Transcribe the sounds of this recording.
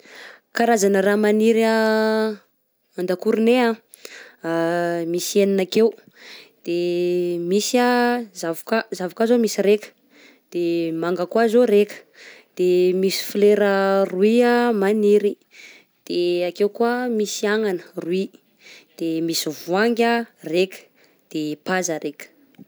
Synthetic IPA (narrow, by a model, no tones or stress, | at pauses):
kaɾazanəɾamaniɾa | mand̪akuɾinea | misieninakew | d̪̥emisiazavukazavakazomisiɾekə̥ | d̪̥emaŋɡəkwazoɾekə̥ | d̪̥emisi̥fleɾəruiamaniɾi | d̪̥eakewkuamisiaŋanə̥rui | d̪̥emisivuaŋɡʲarekʲə̥ | d̪̥epazəɾekʲə̥